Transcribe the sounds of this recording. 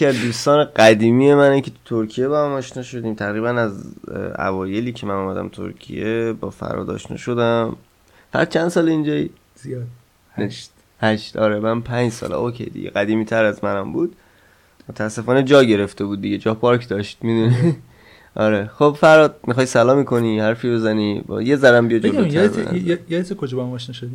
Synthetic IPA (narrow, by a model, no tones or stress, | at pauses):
jeiæd̪uːst̪ɒːneɡæd̪iːmije̞mænikʲʰe̞t̪ʰu̥t̪ʰoɾkʰije̞bɒhæmɒːʃnɒːʃo̞d̪iːmt̪ʰæɣɾiːbænæzæ̰vɒːje̞liːcʰemænuːmæd̪æ̰mt̪ʰo̰ɾcʰḭjebɒ̰ːfæ̰ɾɒ̰ːd̪ɒ̰ʃnɒ̰ːʃo̞d̪æm | fæ̰ɾ̰d̪̚t͡ʃʰænd̪sɒːleind͡ʒɒːji | neʃ | hæʃt̪ɒːɾemænpʰænd͡ʒsɒ̰ːlɛ̰okʰḛjd̪ḭɡɟḛɡæd̪iːmiːt̪ʰæɾæzmænæmbuːd̪̥ | mot̪ʰæːsːe̞fɒːned͡ʒɒːɟe̞ɾe̞ft̪e̞buːd̪̚ːiɡe̞d͡ʒɒːpʰɒɾkʰd̪ɒʃt̪̚mid̪uni | ʔɒɾexob̥fæɾɒd̪̚mixɒjsælɒːmikʰo̞nihæɾfibe̞zænib̰jezæɾæmbijɒd͡ʒeolæmjeb̰jejeit̪ikʰod͡ʒɔːbhamɒʃnɔʃod̪i